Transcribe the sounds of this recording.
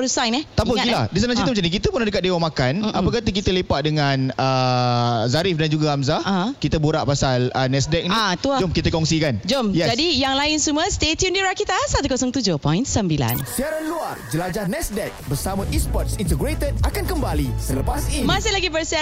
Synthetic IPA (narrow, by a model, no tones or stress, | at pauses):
əɾusaŋnɛht̪apəɡilahdis̬anãsit̪mət͡ʃanĩk̬it̪əpunladəkat̪̚dewamakanapəkat̪ək̬it̪əlepaʔ̚dəŋãnə | zaɾifdand͡ʒuɡaamzaakit̪əbuɾaʔpasalənɛsdɛk̚nat̪uad͡ʒomkit̪əkɔŋsikand͡ʒomjɛsd͡ʒadijaŋlaɪnsuməst̪et̪iundiɾakit̪asat̪ukɔsɔŋt̪ud͡ʒopɔ̃jnsəmbila̰nsiaɾanluard͡ʒəlad͡ʒahnɛsdɛk̚bərsamə̃ʔispɔt̪̚sint̪əɡɾet̪əd̚akankəmbalisələpasimasɪlaɡipəɾsia